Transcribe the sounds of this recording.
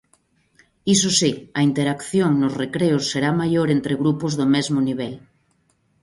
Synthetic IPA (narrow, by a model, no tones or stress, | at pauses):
isosiɐint̪eɾakθjoŋnozrekɾeosːeɾamajoɾent̪ɾeɣɾupozðomezmoniβ̞el